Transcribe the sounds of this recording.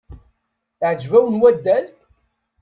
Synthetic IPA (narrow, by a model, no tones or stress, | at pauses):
ʕd͡ʒvæwənwæd̪ːæl